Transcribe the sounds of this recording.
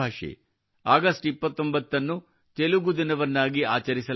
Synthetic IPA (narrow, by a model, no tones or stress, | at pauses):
aːʂḛ | aːɡɐsʈipːɐt̪ːo̞mbɐt̪ːɐnːu | t̪eluɡud̪inɐʋɐnːaːɡiaːt͡ʃɐɾisɐ